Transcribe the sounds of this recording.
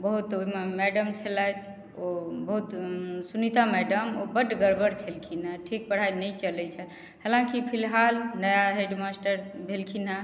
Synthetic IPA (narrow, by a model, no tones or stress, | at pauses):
bəɦut̪omemɛɖəmt͡ʃʰəlajt̪ʰ | obəɦut̪sunit̪amɛɖəmobəɖɡəɾbəɾt͡ʃʰelkʰinaʈʰik̚pəɽ̤ajnət͡ʃəlɛt͡ʃʰət̪ | helãkipʰilɦalnəjaɦeɖmasʈəɾbʱelkʰina